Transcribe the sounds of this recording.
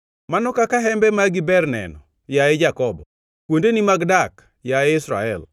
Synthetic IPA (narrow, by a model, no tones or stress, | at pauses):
manɔkakaɦɛmbɛmaɡibɛrnɛ̰nɔ | jaed͡ʒakɔbɔ | kwondenimaɡdak | jaeɪsɾa̰ɛ̰l